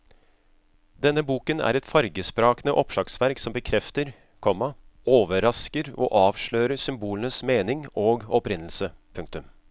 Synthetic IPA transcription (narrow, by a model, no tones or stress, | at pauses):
d̪ɛnːəbuːkənæ̰ɾɛt̪fɑɾɡəspɾɑːknəʔɔpʂɑksʋæɾksɔmbəkʰɾɛft̪əɾ | kʰɔmːɑoːʋəɾɑskəɾɔ̰ʔɑːʋʂɭøːɾəsʏmbuːlənəsmeːnɪŋoːɡɔpɾɪnl̩səpʰɵŋkt̪ʉm